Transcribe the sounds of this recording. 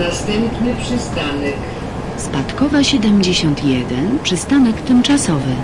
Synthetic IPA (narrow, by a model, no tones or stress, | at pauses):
nast̪ɛmpnɘpʂɘst̪anɛk | spat̪kɔvaɕɛd̪ɛmd͡ʑeɕɔnt̪jɛd̪ɛnpʂɘst̪anɛkt̪ɘmt͡ʂasɔvɘ